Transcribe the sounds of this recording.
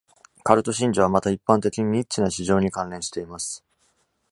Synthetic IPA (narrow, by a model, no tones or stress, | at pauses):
kaɾɯ̟t̪o̞ɕĩɲ̟d͡ʑoβ̞amat̪aipːãnt̪e̞kʲiɲ̟iɲit͡ɕːinaɕiʑo̞ːɲ̟ikãnɾẽ̞ɕi̥t̪e̞imasɨ̥